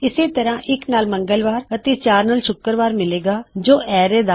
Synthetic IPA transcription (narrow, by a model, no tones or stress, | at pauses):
ɪseːt̪əɾãːʔɪknaːlməŋɡəlʋaːɾət̪eːt͡ʃaːɾnaːlʃʊkːəɾʋaːɾmɪleːɡaːd͡ʒoːɛːɾeːd̪a